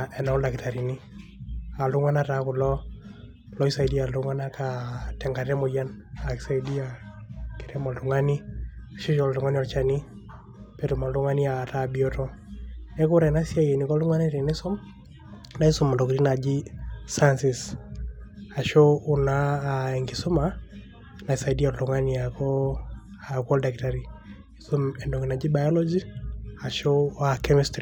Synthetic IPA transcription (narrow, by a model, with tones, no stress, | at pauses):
ɛ˨na˦ʊ˦la˨kitaɾi˨ni˦ | a˨lʊ˦ŋa˦natakʊ˨lɔ˦ | lɔ˦isa˨di˦a˨lʊŋa˦nakatɛ˨ŋɡa˨ɾɛ˦mɔ˨janakisa˦idi˦akɪɾɛmɔ˨luŋa˦ni˦a˨ʃo˦ʃɔ˨llu˨ŋa˦ni˦ɔ˨t͡ʃani˦ | peto˨ma˨lʊ˦ŋa˦ni˦a˨tabi˦ɔ˦tɔ˦ | ɛ˦kʊ˦ɾɛna˦si˦a˦je˨ni˨kɔ˦lu˦ŋa˦ni˦ɾe˨nɪ˦sɔ˦m | na˦i˦su˦mɛ˨ndɔ˨ki˨ɾi˦na˨d͡ʒi˦sa˦ansi˨s | a˨ʃo˦u˨naːɛŋɡisu˦ma | na˨isa˨idi˦a˨ltuŋaniakɔ˦a˨kɔ˦ldaktaɾi˨ | i˦so˦mɛ˨ndɔ˨kina˨d͡ʒi˦ba˨jɔ˦lɔd͡ʒi˦a˨ʃo˦a˨kɛmistɾi